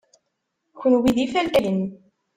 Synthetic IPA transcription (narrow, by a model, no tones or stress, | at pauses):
çənwiðifælt̪æjən